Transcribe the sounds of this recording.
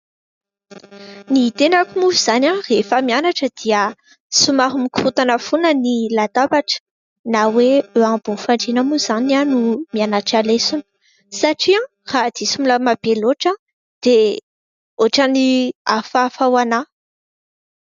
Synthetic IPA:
nit̪enakumuviz̥anʲãrefəmianaʈ͡ʂəd̪̥iə | sumaɾumikuut̪anəfunənilat̪abaʈ͡ʂə̥ | naweøãbunfaɳɖ͡ʐenəmuzananumianaʈ͡ʂalesunə̥ | saʈ͡ʂiã | rad̪̥isumuləmab̥eloʈ͡ʂə | d̪̥e | oʈ͡ʂaniafafawana

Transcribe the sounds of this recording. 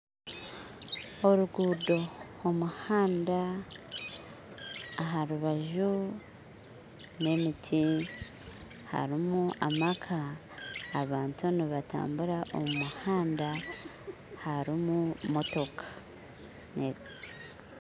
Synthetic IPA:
o̞ɾuɡuːdo̞ | omuhaːnda | ɦaɾuβaʒu | ne̞mitʰi | ha̰ɾimuʔa̰makʰaː | βaːntʰuniβata̰ːmbuɾaʔo̰mumuhaːnda | haɾimumo̞to̞kʰḁ | ne

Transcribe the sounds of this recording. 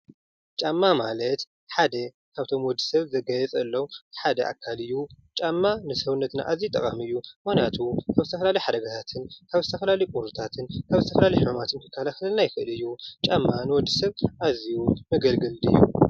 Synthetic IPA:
t͡ʃʼamːamalɐt̪ | ħad̪ɐ | kʰaβt̪ʰo̞mwɔd̪ːi̥sɐβzɐɡɐjɛt͡sʼɐlːowħad̪ɐʔa̰kʰːalɨjːu | t͡ʃʼamːanɨsɐwunːɐt̪na̰ʔaziut̪ʼɐkʼamɨjːumanjat̪ʰukʰaβzɨt̪ʰɐfɐlalɐjħad̪ɐɡat̪ʰat̪ʰɨnkʰaβzɨt̪ʰɐfɐlalɐjkʼuɾut̪ʰat̪ʰɨnkʰaβzɨt̪ʰɐfɐlalɐjħɨmumat̪ʰɨnk̪ʰɨ̥kʰːalakɐlɐlnajɪfɨʔɨlɨjːut͡ʃʼamːanɨwɔd̪ːɨsɐβʔazijumɐɡɐlɡɨlɨ̰jːṵ

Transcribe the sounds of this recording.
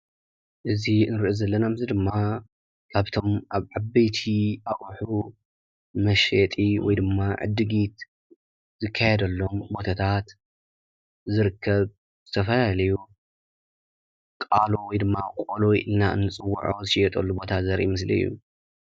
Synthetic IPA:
ʔɨziɨnɨɾʔozɐlːɐnamzid̪ɨmːa | kʰaβt̪ʰo̞mʔaβʕabɐjt̪ʰiaʔʼħu | mɐʃet̪ʼiwɔ̰jd̪ɨmːaʕɨ̰d̪ɨɡit̪ | zɨkʰːajeɛd̪ɐlːo̞mbo̞t̪ʰat̪ʰat̪ | zɨɾɨkʰːɐβ | z̥ɨt̪ʰɐfɐlalɐju | kʼalowɔjd̪ɨmːakʼolojʔɨlnaɨ̰nːɨt͡sʼɨwːṵʕozɨʃijɛt̪ʼɐlːubo̞t̪ʰazɐɾʔḭmɨslɨ̰jːṵ

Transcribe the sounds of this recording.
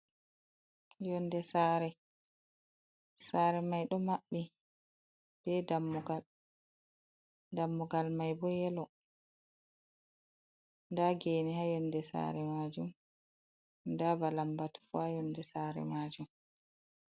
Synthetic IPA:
jɔndɛsaːɾɛ | saːɾɛmajɗɔmaɓːi | b̥ɛdamːɡa | damːɔɡalmajbɔjɛlɔ | ndaɡeːnihajɔndɛsa̰ɾɛmad͡ʒum | dabalambatu̥fuhajɔndɛsaːɾɛ̰maːd͡ʒum

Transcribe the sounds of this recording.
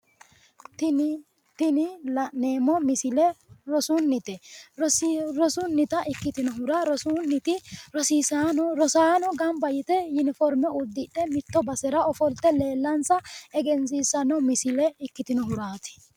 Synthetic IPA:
t̪ | t̪ɪnɪne̞ːmɔmɪsɪlɛɾɔsʊnːɪt̪ɛɔɾɔsʊnːɪt̪ɐʔɪkːɪt̪ɪnɔɦʊɾɐɾɔsʊnːɪt̪ɪɾɔsiːsaːnɔɾɔsaːnɔɡɐmbɐjɪt̪ɛjʊnɪfɔɾmɛʊd̪ːɪᶑɛmɪt̪ːɔbɐsɛɾɐɔfɔlt̪ːɛle̞ːlːɐnsɐɛɡɛnsiːsɐnɔmɪsɪlɛɪkːɪt̪ɪnɔɦʊɾaːt̪ɪ̥

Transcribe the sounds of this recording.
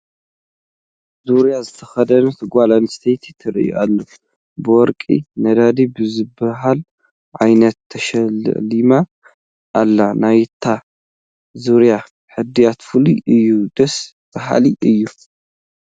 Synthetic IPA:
zuɾjazɨt̪ʰɐxɐd̪ɐnut̪ʰɨɡʷalanɨst̪ʰejt̪ʰit̪ʰɨɾijṵʔa̰lːo | bɨwɔɾkʼḭnɐd̪ad̪ibɨzɨbɐɦal | ʕajnɐt̪ʰːɐʃɐlːɨ̰ʕlima | ʔːlːanajt̪ʰːa | zuɾja | ħɨd̪ijat̪fɨliʔɨjːud̪̥ɐs | b̥ɐɦa̰liʔɨjːu

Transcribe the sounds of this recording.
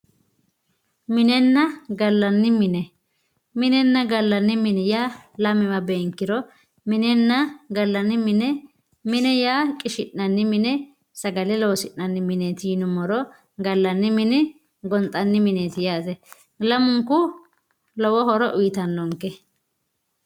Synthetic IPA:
mɪnɛnːɐɡɐlːɐnːɪmɪnɛ | mɪnɛnːɐɡɐlːɐnːɪmɪnɛjaːlɐmɪwɐbeːŋkːɪɾɔ | mɪnɛnːɐɡɐlːɐnːɪmɪnɛ | mɪnɛjaːkʼɪʃɪʔːɐnːɪmɪnɛ | sɐɡɐlɛlɔwɔsɪʔːɐnːɪmɪneːt̪ɪjɪnʊmɔɾɔ | ɡɐlːɐnːɪmɪnɪ | ɡɔnt̪ʼɐnːɪmɪneːt̪ɪjaːt̪ɛ | lɐmʊŋkʊ | lɔwɔhɔɾɔʔʊjɪt̪ɐnːɔŋkːɛ

